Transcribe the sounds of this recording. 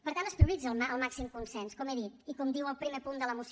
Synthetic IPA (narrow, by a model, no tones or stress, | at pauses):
pəɾt̪anəspɾiuβlid͡zəəlˠmaksimkunsɛnskɔmeðit̪ikɔmd̪iwəlˠpɾimepund̪ələmus